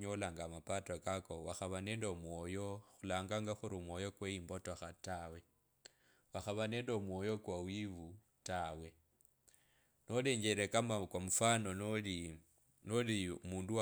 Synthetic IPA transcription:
ɲolaŋɡamapatakakowaxaβane̞ːndomwo̞jo̞xulaːŋɡaŋɡaxuɾumwo̞jokweimbotoxatawe̞ | waxaβane̞ːndo̞mwo̞jo̞kwawiβu | tawe̞ | no̞le̞ɲɟeɾekamakwamufano̞nli | nolimuːndua

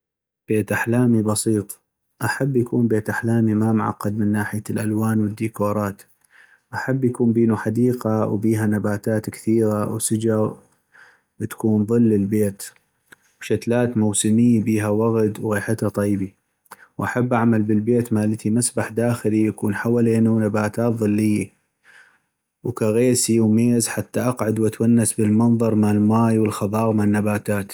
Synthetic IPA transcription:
b̥eːt̪ʔaħlaːmibɑsiːt̪ˤ | ʔaħabːjakuːnbeːt̪ʔaħlaːmimamʕa̰qːɑd̪mɪnːaːħɪjalʔalwaːnwɪd̪ːiːkoːɾˤɑːt̪ | ʔaħabːjakuːmbiːnuħad̪iːqawbiːɦanabaːt̪aːt̪kθiːɣawsɪd͡ʒɑɣ | bɪt̪kuːnðˤɨlːɪlbeːt̪ | wʃat̪laːt̪mʊwsɪmɪjːbiːɦawaɣd̪wɣeːħat̪at̪ˤiːbi | wʔaħabːʔaʕmalbəlbeːt̪maːlɪt̪ʰimasbaħd̪aːxɪlijakuːnħawaːleːnunabaːt̪aːt̪ðˤɨlːɪjːa | wkaɣeːsiwmeːzħat̪ːaʔɑqʕad̪wʔat̪wanːasbəlmɑnðˤɑɾˤmaʕɪlmaːjwəlxɑðˤɑːɣmaʕɪnːabaːt̪aːt̪

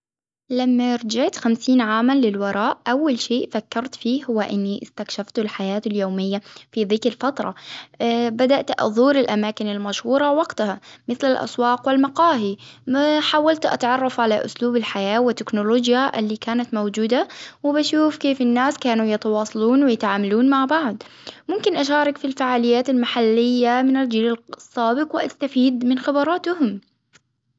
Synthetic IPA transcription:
lamːaʔɾˤd͡ʒaʕt̪xamsiːnʕaːmanlɪlwɑɾˤɑːʔʔawːalʃeːʔfakːɑɾˤt̪fiːɦʊwːaʔɪnːiʔɪst̪akʃaft̪ʊlħajaːt̪ɪljoːmɪjːafiðɪkɾɪlfat̪ɾˤɑ̰ | bad̪aʔt̪ʔðˤuːɾɪlʔamaːkɪnɪlmaʃhuːɾˤɑwɑɡt̪ahamɪθlɪlʔɑ̰swɑːqwɪlmɑqɑːɦimaħaːwalt̪ʔa̰t̪ʕɑrˤːɑfʕalaʔʊ̰sluːbɪlħajaːwɪt̪ːɪknʊloːd͡ʒjaʔɪlːiːkaːnat̪mowd͡ʒuːd̪awɪbaʃuːfkeːfɪnːaːskaːnujɪt̪ɑwɑːsˤɑluːnwɪjɪt̪ʕaːmaluːnmaʕbaʕd̪ | mʊmkɪnʔaʃaːɾˤɑkfilfaːʕaːlɪjːaːt̪ɪlmaħalːɪjːamɪnɪld͡ʒiːlalsˤːaːbɪqwɪʔast̪afiːd̪mɪnxɪbɑɾˤɑːt̪hʊm

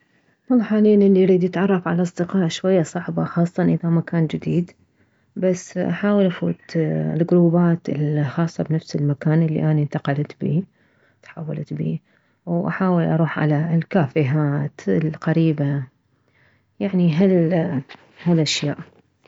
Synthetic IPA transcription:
wɑlˤːɑħaːliːnʔɪlːiɾiːd̪jɪt̪ʕɑrˤːɑfʕalaʔɑsˤd̪ɪqɑːʔʃwajːasˤɑʕbaxɑːsˤːɑnʔɪðamakaːnd͡ʒɪd̪iːd̪ | basːʔaħaːwɪlʔafṵːt̪lɡɾuːbaːt̪ɪlxɑːsˤːɑbnafsɪlmakaːnʔɪlːḭʔanint̪aqɑlt̪bḭː | t̪ħa̰wːalt̪bḭː | wʔaħaːwɪlʔɑ̰ɾˤuːħʕa̰lalkaːfiɦaːt̪ɪlqaɾiːba | jaʕniɦal | halʔaʃjaːʔ

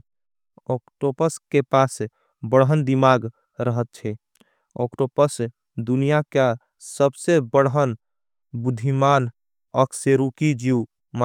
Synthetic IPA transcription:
ɔkʈopəskepaːs | bəɽɦənd̪imaːɡ | ɾəɦət̪̚t͡ʃʰɛ | ɔ̰kʈopəs | d̪unijaka | səbsebəɽɦən | bʊd̪ʱimaːn | ɔkseɾukid͡ʒiw | ma

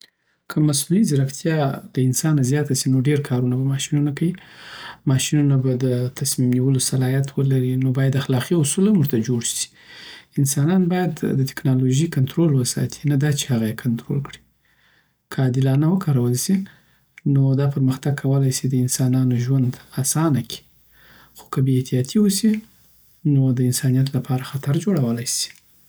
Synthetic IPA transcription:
kʰəmasnuizɪɾaft̪ʰjɑd̪̥əɪnsɑnazjɑt̪asinoɖeɾkʰɑɾunabamɑʃinunakawimɑʃinunabad̪ət̪ʰasmimniwəlosalɑjat̪ʰwəlaɾinobɑjad̪axlɑqiʊsulamuʐt̪ad͡ʒoɽʃi̥ | ɪnsɑnɑnbɑjad̪ːət̪ɪ̥knɑloʒikant̪ɾolwəsɑ̰t̪ʰi̥nad̪ɑt͡ʃe̥haɣajekʰant̪ɾo̰lkɽi̥ | kʰəd̪ɪlɑnawəkɑɾawəlsi | nod̪ɑpəɾməxt̪aɡ̚kʰawəlajsid̪əɪnsɑnɑnoʒwand̪asɑnakʰi̥ | xo̥kəbeet̪ijɑt̪ʰiwusi | nod̪əɪnsɑnijat̪lapʰɑɾaxat̪aɾd͡ʒoɽawəlajsi̥

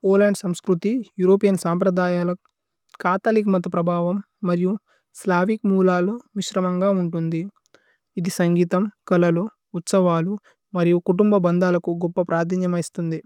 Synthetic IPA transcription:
oːlɐɳɖsɐmskɾut̪ijuːɾoːpijɐnsaːmpɾɐd̪aːjaːlɐ | kaːt̪ɐlikmɐt̪ːɐpɾɐbʱaːʋɐmː | ɐɾiju | slaːʋikmuːlaːluʋiʃɾɐmɐŋɡaːuɳʈund̪i | id̪isɐŋɡiːt̪ɐmkɐlɐlu | ut̪sɐʋaːlu | mɐɾijukuʈumbɐbɐnd̪aːlɐkuɡɔpːɐpɾaːɾd̪ʱɐnjɐmɐist̪und̪i

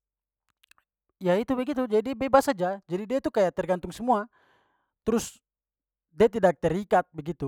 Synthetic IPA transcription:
jait̪ubɛɡit̪ud͡ʒadibɛbasad͡ʒad͡ʒadidiait̪ukajaʔ̚t̪ɛrɡant̪uŋsɛmua | t̪ɾus | diat̪idak̚t̪ɛrikat̪̚bɛɡit̪u

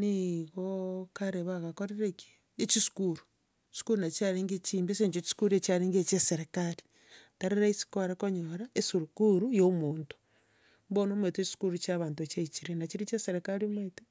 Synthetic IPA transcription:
niɣokaɾeβaɣakoɾeɾeki̥ | et͡ʃisu̥kuɾu̥ | su̥kuɾunat͡ʃaɾeːŋɡet͡ʃiːmbeseɲt͡ʃot͡ʃi̥skuɾiet͡ʃaɾiŋɡet͡ʃeseɾekaɾi̥ | taɾeɾaisi̥koɾekoɲoɾaesuɾukuɾujomuːntu̥ | mbonomwetet͡ʃi̥su̥kuɾut͡ʃaβaːntuet͡ʃeit͡ʃiɾenat͡ʃiɾit͡ʃeseɾekaɾimwete

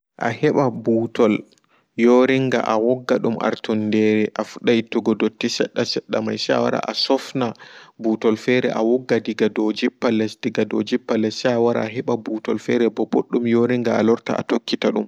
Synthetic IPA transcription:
ʔa̰hɛɓabuːtʰɔl | joɾiŋɡa̰ʔawɔɡːaɗumʔa̰ɾtɔndɛɾɛʔafuɗajituɡɔdotːisɛ̰ɗːasɛɗːa̰majsɛa̰wa̰ɾa̰ʔasɔfnabutɔlfɛɾɛ̰ʔawɔɡːadiɡadɔd͡ʒipːalɛsdiɡado̰d͡ʒipːalɛsaawaɾa̰aɦɛɓabuːtɔlfɛɾɛbɔboɗːumjoɾiŋɡaa̰lɔɾta̰ʔa̰tokːitaɗum

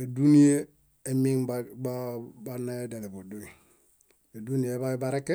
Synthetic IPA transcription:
edunije | emiŋbababanːaedelebodui | edunijebabaɾekːe

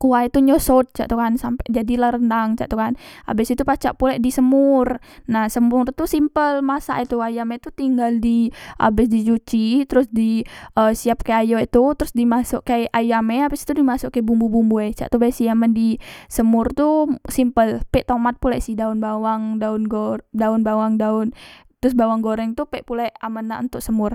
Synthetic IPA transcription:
kuait̪uɲosot̪̚t͡ʃa̰ʔt̪ukansampɛd͡ʒadilaɾəndaŋt͡ʃa̰ʔt̪ukana̰bɪsit̪upat͡ʃa̰ʔpulɛʔdisəmʊr | nahsəmʊrt̪usimpəlmasa̰ʔit̪uajamet̪ut̪iŋɡaldiʔa̰bɪsdit͡ʃut͡ʃit̪əɾʊsdiəsiap̚kaajoit̪ut̪əɾʊsdimasʊʔkajʔajamɛabɪst̪udimasʊʔkːabumbubumbuɛt͡ʃa̰ʔt̪ubasiaməndisəmʊrt̪usimpəlpɛʔt̪omat̪̚pulasɪhdaʊnbawaŋdaʊnɡodaʊnbawaŋdaʊnt̪ɾʊsbawaŋɡoɾɛŋt̪upɛʔpulaamanaʔṵnt̪ʊʔsəmʊr

